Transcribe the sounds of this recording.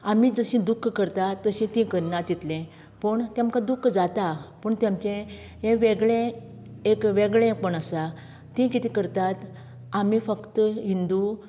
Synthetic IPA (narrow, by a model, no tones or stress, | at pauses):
amid͡zəɕĩd̪ukʰːkəɾt̪at̪ːəɕĩt̪ĩkəɾnat̪it̪lẽ | pəɳt̪jãmkad̪ukʰːd͡zat̪apəɳt̪jamt͡ɕẽ | ɦẽʋeɡɭẽ | ekʋeɡɭẽpəɳəsa | t̪ĩkit̪ikəɾt̪at̪ | amifəkt̪əɦind̪u